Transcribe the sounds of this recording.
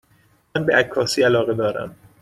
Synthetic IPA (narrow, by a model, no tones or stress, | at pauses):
ænbeʔækʰːɒːsiːælɒːɣed̪ɒːɾæ̰m